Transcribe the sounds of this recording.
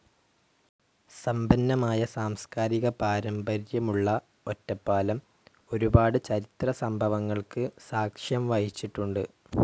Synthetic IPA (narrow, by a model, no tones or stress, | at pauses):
sɐmbɐnːɐmaːjɐsaːmskaːɾiɣɐpaːɾɐmbʱɐɾjɐmuɭːɐ | o̞tːɐpːaːlɐm | o̞ɾubaːɽɨt͡ɕɐɾit̪rɐsɐmbʱɐʋɐŋːɐɭkɨsaːkʂjɐmʋɐhit͡ɕːiʈːuɳɖɨ̰